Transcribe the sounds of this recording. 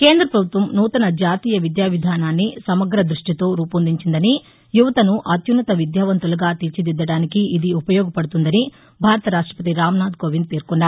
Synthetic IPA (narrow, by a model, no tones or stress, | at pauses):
ke̞ːnd̪ɾɐpɾɐbʱut̪ʋɐmnuːt̪ɐnɐd͡ʒaːt̪iːjɐʋid̪jaːʋid̪ʱaːnaːnːisɐmɐɡɾɐd̪ɾuʂʈit̪o̞ːɾuːpɐnd̪iɲt͡ʃind̪ɐni | juʋɐt̪ɐnuʔɐt̪junːɐt̪ɐʋid̪jaːʋɐnt̪ulɐɡaːt̪it͡ʃid̪id̪ːɐɽaːnikiid̪iupɐjɔːɡɐpɐɽut̪und̪ɐni | bʱaːɾɐt̪ɐɾaːʂʈɾɐ̥pɐt̪iɾaːmnaːd̪koʋind̪t̪eːɾkunːaː